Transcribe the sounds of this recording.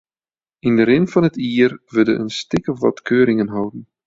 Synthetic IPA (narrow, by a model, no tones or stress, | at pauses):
indəɾɪnfɑnɦətiərʋədəʔənstɪkəvɑ̰tkʰøːɾɪŋənɦɔwdən̩